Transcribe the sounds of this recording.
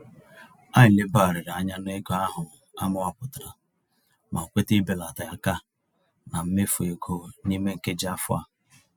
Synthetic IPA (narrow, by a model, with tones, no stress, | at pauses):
a˦ɲɪ˨le˦ba˦˨ɾɪ˨ɾa˨ɲa˦n˦e˦ɡo˦a˦ɦʊ˨a˦mʊ˦a˦pʊ˨ta˨ɾa˨ | mʔa˨kʷe˦ti˦be˨la˨ta˨ja˦ka˦ | na˨m̩˦me˦fu˨e˨ɡo˦ni˦me˦ŋ̩˨ke˦d͡ʒa˦fʊ̰˦a̰˦